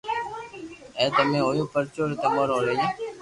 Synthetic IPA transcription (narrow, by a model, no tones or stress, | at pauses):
ẽːt̪əmẽːɦoːjõːpəɾt͡ʃoːɾet̪emoːɾoːɾeːjeː